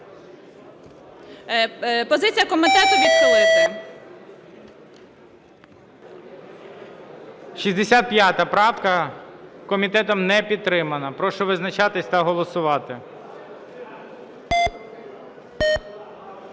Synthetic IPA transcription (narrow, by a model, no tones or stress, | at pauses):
pɔzɪt͡sʲijɐkɔmɪt̪ɛt̪ʊʋʲid̪ʋɔlˠɪsʲɐ | ʃizʲd̪esʲat̪̚pʲjɑt̪ɐpɾɑwkɐ | kɔmʲit̪ɛt̪ɔmnɛpʲid̪̚t̪ːɾɪmɐnɐpɾɔʃɔʋɪznɐt͡ʃɑt̪ɪsʲt̪ɐɦɔlˠɔsʊʋɑt̪ɪ